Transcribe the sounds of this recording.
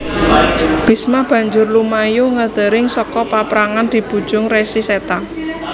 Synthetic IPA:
b̥i̤smab̥a̤ɲd͡ʒʊrlumajuŋəd̪̥ə̤ɾɪŋsɔkɔpapɾaŋand̪̥i̤b̥ṳd̥ʒ̥ʊŋresiset̪a

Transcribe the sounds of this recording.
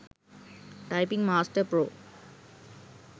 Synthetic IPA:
ʈajpiŋmasʈəɾpɾo

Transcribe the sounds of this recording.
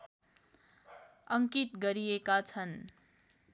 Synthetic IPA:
ʌŋkit̪ɡʌɾiekat͡sʰʌn

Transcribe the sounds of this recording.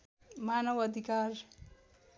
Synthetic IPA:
manʌwʌd̪ʱikaɾ

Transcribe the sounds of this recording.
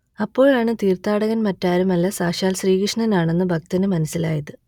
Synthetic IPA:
ɐpːo̞ːɭaːɳɨt̪iːrt̪aːɽɐɣɐnmɐtːaːɾumɐlːɐsaːɕaːlsriːɣɐʂɐɳɐnaːɳe̞nːɨbʱɐk̚t̪inɨmɐnɐsilaːjɐðɨ

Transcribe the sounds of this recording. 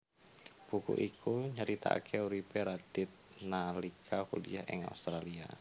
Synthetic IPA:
pukṵʔikʰuɲəɾit̪a̰a̰kʰɛuɾipɛɾadɪt̪̚nalikʰakulḭahɛ̰ŋa̰ust̪ɾalia̰

